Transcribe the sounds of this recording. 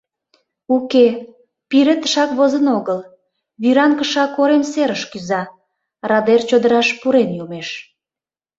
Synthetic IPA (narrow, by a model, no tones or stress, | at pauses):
uke | piɾet̪ə̥ʃɑkβozənoɣəl | βiɾɑŋkəʃɑkoɾemseɾəʃkyzɑ | rɑd̪ert͡ɕod̪əɾɑʃpuɾenjumeʃ